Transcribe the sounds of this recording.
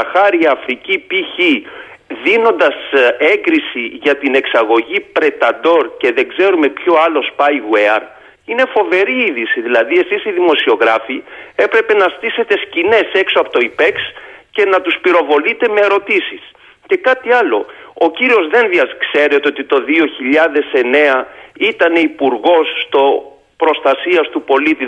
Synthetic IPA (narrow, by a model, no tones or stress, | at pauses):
ɐxɐɾiɐːfɾicipiçi | ðino̞nd̪ɐse̞ŋɡɾisiʝɐt̪ine̞ksɐɣo̞ʝipɾe̞t̪ɐd̪o̞ɾce̞ðe̞ɡze̞ɾume̞pçoɐlo̞spɐiɣweɐɾ | ine̞fo̞ve̞ɾiiðisiðilɐðie̞sisiðimo̞sio̞ɣɾɐfie̞pɾe̞pe̞nɐst̪ise̞t̪e̞scine̞se̞ksoɐpot̪o̞ipe̞ksce̞nɐt̪uspiɾo̞vo̞lit̪e̞me̞ːɾo̞t̪isis | ce̞kɐt̪iɐlo̞̰ociɾio̞zðe̞nðiɐskse̞ɾet̪eo̞t̪it̪o̞ðio̞çiʎɐðe̞se̞ne̞ɐit̪ɐne̞ipuɾɣo̞sːt̪o̞ | pɾo̞st̪ɐsiɐst̪upo̞lit̪i